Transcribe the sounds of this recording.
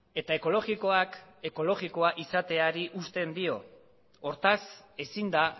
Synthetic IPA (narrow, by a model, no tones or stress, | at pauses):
e̞t̪ae̞ko̞lo̞ɣiko̞ake̞ko̞lo̞ɣiko̞aʔisat̪e̞aɾiʔust̪e̞nd̪io̞ | oɾt̪ase̞sind̪a